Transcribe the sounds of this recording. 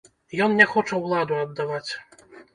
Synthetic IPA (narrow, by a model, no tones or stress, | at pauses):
jɔnnʲɛxɔt͡ʂɐwlˠad̪uɐd̪ːavat͡sʲ